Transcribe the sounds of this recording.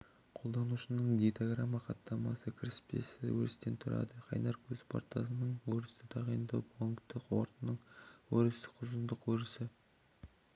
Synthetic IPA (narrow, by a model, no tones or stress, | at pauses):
qʰo̞lˠd̪ɑnuʃənəɴɡʲit̪oɡramːɑqɑt̪ːɑmɑsəkʲʰɪɾɪ̥spe̞̰sɪwɵ̰ɾɪst̪e̞nt̪ʰʊɾɑ̰d̪əqʰɑ̰jnɑɾkʲʰɵz̥pʰo̰ɾt̪ɑsənəɴwɵɾɪst̪ɪt̪ʰɑʁɑjənd̪ɑpoŋkt̪ːɪqwo̰ɾt̪ənːəɴwɵɾɪsɪ̥qʰʊzənd̪əqwɵɾɪsɪ